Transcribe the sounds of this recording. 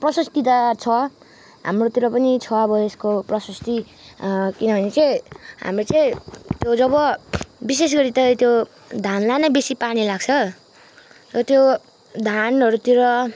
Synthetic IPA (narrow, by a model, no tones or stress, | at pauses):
prʌsʌst̪it̪at͡sʰʌ | ɦa̰mrot̪iɾʌpʌnit͡sʰʌʌbʌeskoprʌsʌst̪i | kinʌbʱʌnet͡sʌĩɦa̰mret͡sʌĩt̪jod͡zʌβʌbis̬es̬ɡʌɾit̪ʌt̪jo | d̪ʱanlanʌbesipanilaɡt͡sʰʌ | t̪ʌt̪jo | d̪ʱanɦʌɾut̪iɾʌ